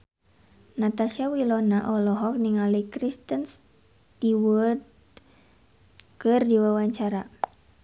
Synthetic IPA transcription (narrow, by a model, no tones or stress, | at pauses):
nat̪asiawilɔnaʔɔlɔɦɔk̚niŋalikɾist̪əns | t̪iwəd̪̚ | kɨrdiwawaɲt͡ʃaɾa